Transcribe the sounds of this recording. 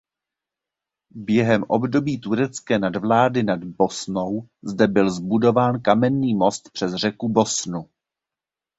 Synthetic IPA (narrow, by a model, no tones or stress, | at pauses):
bjɛɦɛmʔo̞bdo̞biːt̪uɾɛt͡skɛːnadvlaːdɪnadbo̞snowzdɛbɪlzbudo̞vaːnkamɛnːiːmo̞st̪pr̥ɛzr̝ɛkubo̞snu